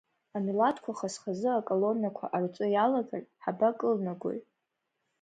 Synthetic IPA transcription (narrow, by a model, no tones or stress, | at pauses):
amilatʰkʷʰaχasχazɨakʼolo̞nakʷʰa̰ʔart͡sʷʼɨjalaɡarħabakʼɨlnaɡʷo̰j